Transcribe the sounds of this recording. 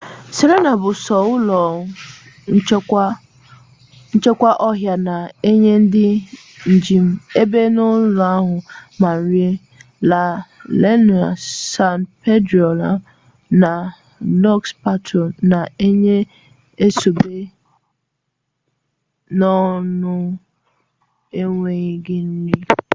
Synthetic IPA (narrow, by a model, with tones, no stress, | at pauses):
se˨ɾe˦na˨bʊ˨sɔ˨ʊ˦lɔ˨˦ | n̩˦t͡ʃe˦kʷa˦ʔɔ˦ɦja˨na˨e˦ɲe˦n̩˦dɪ˦ | n̩˨d͡ʒi˦m̩˦e˦be˦nʊ˦lʊ˨a˦ɦʊ˨ma˨n̩˨˦ɾi˦e˦ | la˨le˦n˨a˨sa˦˨npe˦dɾo˨la˨ | na˨ | lɔ˦kspa˦tʰo˨na˨e˦ɲe˦ | e˦so˨be˦ | nɔ˦nʊ˦ | e˦ŋʷe˨ɲɪ˦ɡɪ˦n̩˦li˦